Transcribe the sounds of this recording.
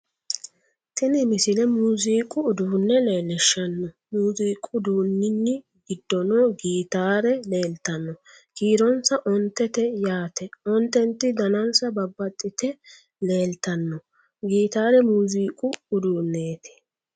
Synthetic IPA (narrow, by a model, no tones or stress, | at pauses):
t̪ɪnɪmɪsɪlɛmuːziːkʼʊːd̪uːnːɛle̞ːlɛʃːɐnːɔ | muːziːkʼʊd̪uːnːɪnːɪ | ɡɪd̪ːɔnɔːɡiːt̪aːɾɛle̞ːlt̪ɐnːɔ | kiːɾɔnsɐʔɔnt̪ːɛt̪ɛjaːt̪ɛɔnt̪ːɛnt̪ːɪd̪ɐnɐnsɐbɐbːɐt̪ʼːɪt̪ɛ | le̞ːlt̪ɐnːɔ | ɡiːt̪aːɾɛmuːziːkʼʊʊd̪uːnːeːt̪ɪ̥